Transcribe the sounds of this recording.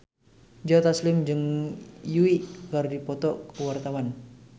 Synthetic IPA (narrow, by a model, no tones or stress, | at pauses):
d͡ʒɔt̪aslɪmd͡ʒəŋjuwiʔkardipɔt̪ɔʔkəwart̪awan